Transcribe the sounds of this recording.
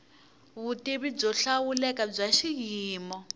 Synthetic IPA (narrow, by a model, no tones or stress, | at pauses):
βutiβib͡ʐɔɬawulɛkab͡ʐaʃiɣiːmɔ